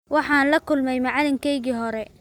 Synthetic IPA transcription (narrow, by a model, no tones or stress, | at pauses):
wɑħɑːnlɐkʰʊlmɛjmɑʕɑlɪŋkʰɛjɣiːɦɔɾɛ